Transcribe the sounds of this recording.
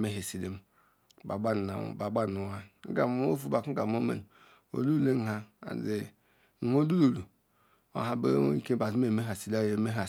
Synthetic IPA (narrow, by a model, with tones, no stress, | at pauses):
me˦ɦe˨si˨le˦m˨ | ba˨ba˦n˨a̰˨ba˨ba˦˨u˨wa˦˨˦ɡa̰˨m˨˦o˦fu˦˨ba˨k̩˦ɡa˨m˦o˦mḛ˨n˨ | o̰˨lu˦˨le˦˨ɦa˦a̰˨de˨ | o˦lu˦lo˨lu˨ | a̰˨ɦa˨bḛ˦ke˦ba˨zm˦e˨me˦ɦa˨si˨la˦˨je˨˦˨me˦ɦa˨